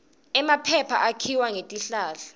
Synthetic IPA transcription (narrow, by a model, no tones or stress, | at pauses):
ɛmapʰɛpʰaʔakʰiwaŋetʼiɬaːɬa